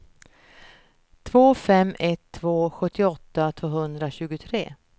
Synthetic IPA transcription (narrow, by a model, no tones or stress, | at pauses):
t̪ʰvoːfɛmːʔɛt̪ʰːvoːɧɵt̪ːɪɔt̪ːat̪ʰvoːhɵnd̪ɾaɕʉ̟ːɡʊt̪ʰɾeː